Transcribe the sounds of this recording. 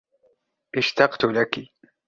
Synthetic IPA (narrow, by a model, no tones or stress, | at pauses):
ʔɪʃt̪ɑqt̪ʊlaki